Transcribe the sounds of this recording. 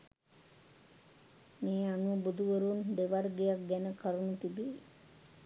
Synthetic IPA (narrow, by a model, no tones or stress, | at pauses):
meːanubud̪uʋəɾund̪eʋarɡejak̚ɡænəkʰaɾunut̪ibe